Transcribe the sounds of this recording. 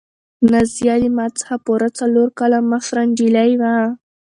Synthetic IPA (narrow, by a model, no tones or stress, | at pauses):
nazjɑlimɑt͡sə̥xapoɾat͡saloɾkalamaxɾanɖilajwa